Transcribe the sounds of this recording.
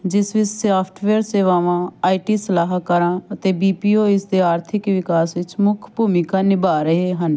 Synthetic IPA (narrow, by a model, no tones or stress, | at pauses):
d͡ʒɪsʋɪt͡ʃsaːpʰʈʰʋeːɾseːʋaːʋãːaːiʈiːsəlaːɦkəɾãːət̪eːbiːpiːoːɪsd̪eːaːɾt̪ʰɪkʋɪkaːsʋɪt͡ʃmʊkʰbʱuːmɪkãːnɪbaːɾəɦeːɦən